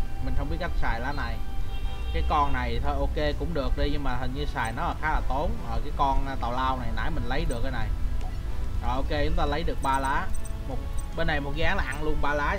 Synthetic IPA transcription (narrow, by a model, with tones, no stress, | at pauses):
mï̟˨˩xə˧wŋ͡mɓi˦˥ət̚ka˦˥jk̚saː˨˩jlaː˨˦na˨˩j | kaː˨˦jkɔ˧nːa˨˩jt̪ʰo˧jʔo˧ke˧kʊ̰˧˥ŋ͡mɗɨ˨˩ək̚ɗi˧ɲɨ˧ŋmaː˨˩t̪ʰə˨˩ŋ̟ɲɨ˧saː˨˩jnɔ˨˦laː˨˩xaː˨˦laː˨˩t̪o˨˦nɔː˨˩kaː˨˦jkɔ˧n˧t̪a˨˩wlaː˧wna˨˩jna̰ː˧˥jmï˨˩ŋ̟lə˨˦jɗɨ˨˩ək̚ːaː˨˧˦na˨˩j | ɔː˨˩ʔo˧ke˧t͡ɕʊ˨˦ŋ͡mt̪aː˧lə˨˦jɗɨ˨˩ək̚ɓaː˧laː˨˦˥mo˨˩t̚ɓe˧nːa˨˩jmo˨˩t̚kɣaː˨˦ŋlaː˨˩ʔa˧nlu˧ənɓaː˧laː˨˦˥